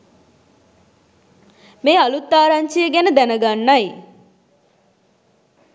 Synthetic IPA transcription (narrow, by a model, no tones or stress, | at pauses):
meːalut̪ːaːɾaɲt͡ʃijəɡænəd̪ænəɡanːaj